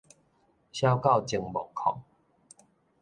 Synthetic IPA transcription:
ɕja˦ʊka˥˨ʊt͡ɕi˨˩ŋbɔ˨˩˦ŋkʰɔ̰˨˩˦ŋ

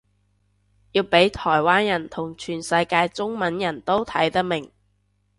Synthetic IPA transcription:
jiː˧wpe˨˥jt̪ʰɔː˨˩jwaː˥njɐ˨˩nt̪ʰʊ˨˩ŋt͡ʃʰyː˨˩nsɐ˧jkaː˧jt͡sʊ˥ŋmɐ˨˥njɐ˨˩nt̪o˥wt̪ʰɐ˨˥jt̪ɐ˥k̚mɪ˨˩ŋ

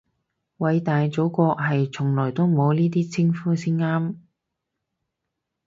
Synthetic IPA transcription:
wɐ˨˧jt̪aː˨jt͡so˨˥wkɔː˧k̚ɦɐ˨jt͡sʰʊ˨˩ŋlɔː˨˩jt̪o˥wmo˨˧wniː˥t̪̬iː˥t͡sʰɪ˥ŋfuː˥siː˥nŋaː˥m

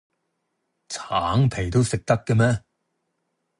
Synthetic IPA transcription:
t͡sʰaː˨˥ŋpʰe˨˩jt̪o˥wsɪ˨k̚t̪ɐ˥kːɛ˧mɛː˥

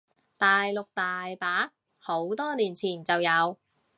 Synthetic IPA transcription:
t̪aː˨jlʊ˨k̚t̪aː˨jpaː˨˥ | ho˨˥wt̪ɔː˥liː˨˩nt͡sʰiː˨˩nt͡sɐ˨wjɐ˨˧w

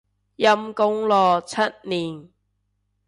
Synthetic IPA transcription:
jɐ˧mkʊ˧˥ŋlɔː˨t͡sʰɐ˦˥t̚niː˨˩n

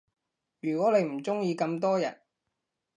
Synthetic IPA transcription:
jyː˨˩kʷɔː˨˥le˨˧jm̩˨˩t͡sʊ˥ŋjiː˧kɐ˧mt̪ɔː˥jɐ˨˩n̚

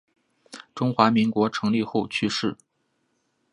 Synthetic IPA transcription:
ʈ͡ʂʊ˥ŋxwa˧˥mi˧˥ŋkwɔ˧˥ʈ͡ʂʰɤ˧˥ŋli˥˧xo˥˩ʊt͡ɕʰy˥ʂɻ̩˥˩

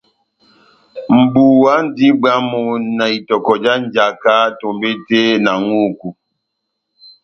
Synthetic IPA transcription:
m̩˨bu˨wa˦n̩˦di˦ba˦mo˨na˨i˨tɔ˨kɔ˨d͡ʒa˦n˦d͡ʒa˨ka˦to˨mbe˦te˦na˨ŋu˦ku˨

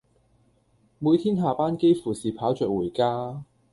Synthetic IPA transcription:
muː˨˧jt̪ʰiː˥nɦaː˨˩paː˥nke˥jfuː˨˩siː˨pʰaː˨˥wt͡ʃœː˨˩k̚wuː˨˩jkaː˥

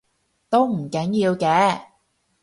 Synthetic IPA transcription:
t̪o˥wm̩˨˩kɐ˨˥njiː˧wkɛː˨˧

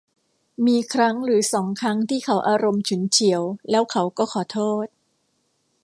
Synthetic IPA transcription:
miː˧kʰɾa˦˥ŋɾɯː˩˦sɔː˩˦ŋkʰɾa˦˥ŋt̪ʰiː˥˩kʰa˩˦˥wʔaː˧ɾo˧mt͡ɕʰu˩˦nt͡ɕʰi˩˦əwlɛː˦˥wkʰa˩˥wkɔː˥˩kʰɔː˩˦t̪ʰoː˥˩t̪̚

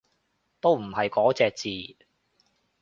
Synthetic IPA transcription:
t̪o˥wm̩˨˩hɐ˨jkɔː˨˥t͡sɛː˨˧k̚t͡siː˨

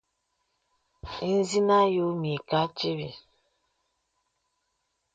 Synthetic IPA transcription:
i˦n̩˦zi˦na˦jo˦mi˨ka˦t͡ʃi˦βḭ˨

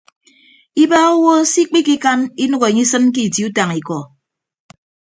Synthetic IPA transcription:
i˦ba˦o˦wo˦si˦k͡pi˦ki˦ka˦ni˦nu˦ɣe˨ɲi˦sɨ˦nk̬i˦˨ti˨˦u˦ta˨ŋi˨kɔ˨

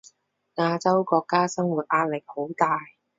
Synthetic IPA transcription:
ŋaː˧t͡sɐ˥wkɔː˧kːaː˥sɐ˥ŋwu˨˩t̚ʔaː˧t̚lɪ˨k̚ho˨˥wt̪aː˧j

